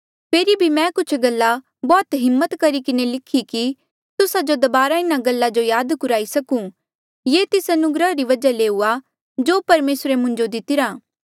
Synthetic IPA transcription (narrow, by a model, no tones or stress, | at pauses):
pʰeːɾibʱimɛ̃ːkʊt͡ʃʰɡɐlːa | bɔːt̪ɦɪmːət̪kɐɾikɪnelɪkʰiki | t̪ʊsad͡ʒod̪ɐbaːɾaɪnaɡɐlːad͡ʒojaːd̪kʊɾaːisɐkũ | jeːt̪ɪsɐnʊɡɾəɦɾiʋɐd͡ʒaleːua | d͡ʒoːpɐɾmeːsɾemʊ̃ɲd͡ʒod̪ɪt̪ɪɾaː